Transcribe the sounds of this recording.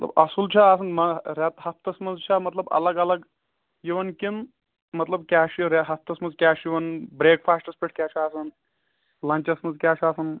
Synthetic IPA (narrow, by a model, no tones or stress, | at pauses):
mɐt̪lɐ̰bɐsult͡ʃʰɐaːs̬ɐnd̪mɐɾʲɐt̪hɐpt̪ɐsmɐnzt͡ʃʰɐmɐt̪lɐbɐ̰lɐɡɐlɐɡ | jiʋɐnkin | mɐt̪lɐbkʲaːʃiɾɐɦɐp̚t̪ɐsmɐnzkʲaːʃjiʋɐnbɾeːkfʰaːsʈɐspiʈʰkʲaːt͡ʃʰiaːsɐn | lɐɲʲt͡ʃɐsmɐnzkʲaːt͡ʃʰaːsɐn